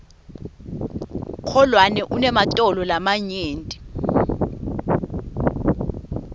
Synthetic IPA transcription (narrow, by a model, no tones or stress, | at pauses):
kʰɔlwanɛʔunɛmatʼɔlɔlamaɲeːntʼi